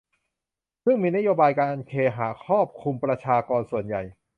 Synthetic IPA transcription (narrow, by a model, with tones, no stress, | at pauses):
sɯ˥˩ŋmiː˧na˥joː˧baː˧jkaː˧nʔnkʰeː˧ɦaː˩˦kʰɔː˥˩p̚kʰu˧mpɾa˧t͡ɕʰaː˧kɔː˧nsu˨˩ənja˨˩j